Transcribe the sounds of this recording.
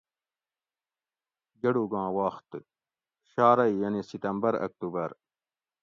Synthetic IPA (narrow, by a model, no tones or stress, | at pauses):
d͡ʑɐɽuɡãːwaːxt̪ | ɕaːɾɐijɐnesit̪ɐmbɐɾɐ̰k̚t̪uːbɐɾ